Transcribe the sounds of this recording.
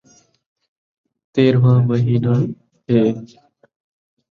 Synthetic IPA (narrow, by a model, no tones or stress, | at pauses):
t̪eːɾʋãːməɦiːnaː | ɦeː